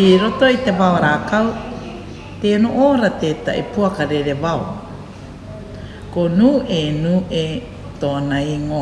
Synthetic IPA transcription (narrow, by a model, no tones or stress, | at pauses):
iɾoto̞it̪e̞vawaɾaːkaw | t̪eːnoʔoːɾat̪eːt̪a̰ʔḭpuakaɾeɾevao | konuːenuːʔe | t̪oːnajŋo